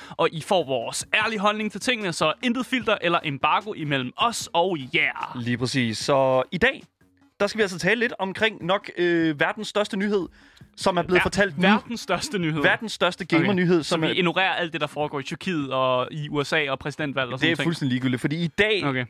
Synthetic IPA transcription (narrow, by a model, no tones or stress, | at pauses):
ʔɒ̽ʔifɒ̰ːʋɒːsæɐliɦɒ̽lne̝ŋt͡sʰɒ̽t͡sʰe̝ŋ̰ənəsɒ̽end̥ð̩ˠfil̰d̥ɐʔelɐʔemb̥ɑ̈ɡ̥o̝ʔimel̰m̩ɒ̽sɒ̽ʊjæɐ̰liːpʰʁɛsḭːsːɒ̽id̥ɛ̰ː | d̥ɑ̈sɡ̥ʋiæls̬t͡sʰɛːləle̝d̥ɒ̽mkʰʁeŋ̰nɒ̽ɡ̥øʋæɐd̥n̩sd̥ɶɐsd̥ənyɦe̝ð̰ˠ | sɒ̽mæɐble̝ð̩ˠfɒt͡sʰæl̰d̥ʋæɐd̥n̩sːd̥ɶɐsd̥ənyheð̰ˠʋæɐd̥n̩sːd̥ɶɐsd̥əɡ̥eɪmɐnyɦe̝ð̞̰ˠsɒ̽miʔe̝nuʁḛːɐʔæl̰d̥ːe̝d̥ɑ̈fɒːɡ̥ɒ̰ːit͡sʰyɐkʰḭːð̩ˠɒ̽iuesɛ̰ːɒ̽pʰʁɛs̬id̥en̰d̥ʋæl̰ɒseæḛulsd̥endiiɡyldi̥fɒ̽dḭːid̥ɛːokʰe